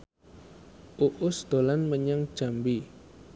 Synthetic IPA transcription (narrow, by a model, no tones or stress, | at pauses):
ʔuʔʊsd̪̥o̤lanməɲaŋd̥ʒ̥a̤mbi